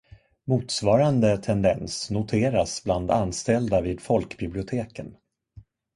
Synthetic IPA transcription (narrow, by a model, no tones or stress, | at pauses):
muːt̪svɑːɾand̪ət̪ʰɛnd̪ɛnsnʊt̪ʰeːɾasbland̪anːst̪ɛld̪aviːd̪fɔlkbɪblɪʊt̪ʰeːkən